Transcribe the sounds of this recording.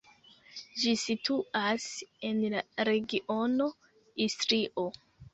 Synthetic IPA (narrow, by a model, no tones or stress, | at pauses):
d͡ʒisitʰuase̞nlaɾe̞ɡiʔo̞no̞ | istɾiʔo̞